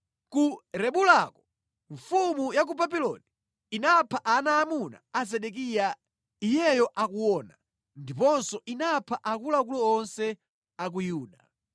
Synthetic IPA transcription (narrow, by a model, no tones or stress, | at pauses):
kuɾɛɓulakɔ | ɱfumujak̬ubabilɔ̰ni | inapʰaʔanaːmuna̰azɛɗɛk̬ija | ijɛjɔʔakuwɔna | ndipɔnsɔʔinapʰaʔakulak̬ulɔːnsɛ | ak̬ujuːɗa